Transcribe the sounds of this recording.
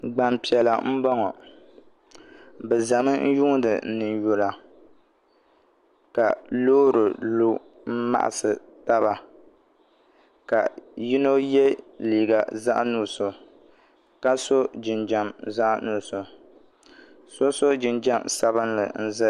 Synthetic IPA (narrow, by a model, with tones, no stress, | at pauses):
ɡ͡ba˨mpi˨ɛ˨la˨m̩˦bɔ˦ŋɔ˨ | bɛ˨za˨mɨ˦n̩˦ju˦ŋ˦dɨ˨nɨ˨njo˨la˨ | ka˨loː˦ɾɨ˨lu˦ | m̩˦ma̰˦ʔa̰˨sɨ˨ | ta˦ba˨ | ka˨ji˦no˦jɛ˦liː˨ɡa˨za̰˦ʔnu˦˨so˨ | ka˦so˦d͡ʒɪ˨nd͡ʒa˨mza˦ʔnu˨so˨ | so˦so˦d͡ʒɪ˨nd͡ʒa˦msa˦βɨ˦nlɨ̰˨n̩˦zɨ˦